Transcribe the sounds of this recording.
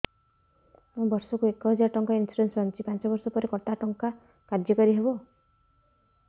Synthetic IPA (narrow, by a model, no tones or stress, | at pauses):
mũbʌɾsɔkuekɔɦɔd͡ʒaʈɔŋkainsuɾensɔnt͡ʃʰipant͡ʃɔbɔɾsɔpɔɾekɔʈaʈɔŋka | kadjɔkɔɾiɦebo